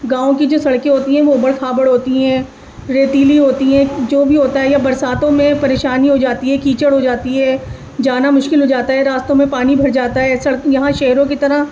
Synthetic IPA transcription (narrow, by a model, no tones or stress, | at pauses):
ɡãːõkid͡ʒoːsɐɽkẽɦoːt̪iɦɛ̃ʋoːbəɽkʰaːbəɽɦoːt̪iɦɛ̃ː | ɾeːt̪iːliɦoːt̪iɦɛ̃ːd͡ʒoːbʱiɦoːt̪aɦɛjabɐɾsaːt̪õmẽpɐɾeːʃaːniɦod͡ʒaːt̪iɦɛkiːt͡ʃəɽɦod͡ʒaːt̪iɦɛː | d͡ʒaːnamʊʃkɪlɦod͡ʒaːt̪aɦɛɾaːst̪õmẽpaːnibʱɐɾd͡ʒaːt̪aɦɛːsɐɽjɐɦãʃɛɦɾõkit̪ɐɾa